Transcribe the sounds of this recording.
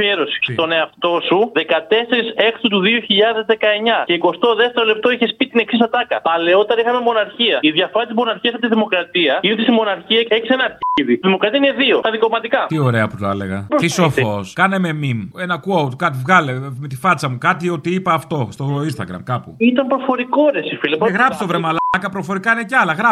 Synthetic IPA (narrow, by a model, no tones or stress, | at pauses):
eɾosi̥st̪o̞ne̞ɐft̪o̞suðe̞kɐt̪e̞se̞ɾise̞kt̪ut̪uðio̞çiʎɐðe̞zðe̞kɐe̞ɲɐceiko̞st̪o̞ðeft̪eɾole̞p̚t̪o̞içespit̪ine̞ksist̪ɐt̪ɐkɐpɐle̞o̞t̪eɾɐixɐme̞mo̞nɐɾçiɐiðʝɐfɐst̪izmo̞nɐɾçiɐs̬ɐpt̪iðimo̞kɾɐt̪iɐiut̪ist̪imo̞nɐɾçiɐeçisenɐɾçiðit̪iðimo̞kɾɐt̪iɐineðiot̪ɐðikomɐt̪ikɐt̪io̞ɾe̞ɐput̪oɐ̰le̞̰ɣɐ̰post̪isofoskɐneme̞mimenɐkuɐwt̪kɐt̪̬ivɣɐlemet̪ifɐt͡sɐmukɐt̪io̞t̪iipɐːft̪o̞st̪oinst̪ɐ̰ɣɾɐ̰mkɐpṵit̪ɐmpɾofo̞ɾikoɾesifilipɣɾɐpsist̪ovɾemɐlkɐpɾo̞fo̞ɾikɐineceɐlɐɣɾɐ